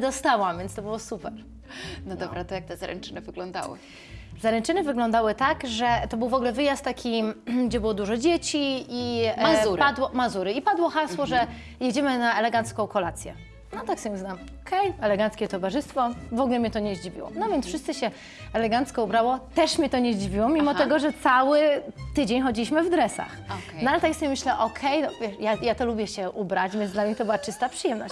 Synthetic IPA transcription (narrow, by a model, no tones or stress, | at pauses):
d̪ɔst̪awamvʲjɛntst̪ɔbɘwɔsupɛɾ | nɔd̪ɔbɾat̪ɔjak̚t̪ɛzaɾɛ̰nt͡ʂɘnɘvɘɡlɔnd̪a̰wɘ̰ | zaɾɛnt͡ʂɘnɘvɘɡlɔ̃nd̪awɘt̪aɡʐɛt̪ɔbɘwvɔɡlɛvɘjast̪ːakʲiɡd͡ʑɛbɘwɔd̪uʐɔd͡ʑet͡ɕiiauɾpad̪wɔmazuɾɘipad̪wɔxaswɔʐɛ | jed͡ʑɛmɘnaɛlɛɡant̪skɔ̃wkɔlat̪sʲjɛ | nɔt̪aksɔbʲɛznam | ɔkʰɛjɛlɛɡant̪skʲɛt̪ɔvaʐɘst̪fɔvɔɡulɛmʲɲɛt̪ɔɲeʑd͡ʑivʲḭwɔ̰nɔvʲjɛntsfʂɨst̪sɨɕɛ | ɛlɛɡant̪skɔubɾawɔt̪ɛʂmʲjɛt̪ɔɲeʑd͡ʑivʲiwɔmʲimɔt̪ɛɡɔʐɛt̪sawɘt̪ɘd͡ʑeɲxɔd͡ʑilʲiɕmɘvd̪ɾɛsa̰xnɔalɛt̪aksɔbʲɛmɘɕlɛʔɔkʰɛjnɔvʲjɛʂjajat̪ɔlubʲjɛɕɛʔubɾad͡ʑvʲjɛnzd̪lamɲɛt̪ɔbɘwat͡ʂɘst̪apʂɨjɛmnɔɕ